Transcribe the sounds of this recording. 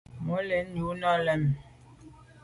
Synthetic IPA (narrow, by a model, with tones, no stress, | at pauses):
mo˨˦le˨˦nu˨˦nɔ˦lɛ˦˨m˨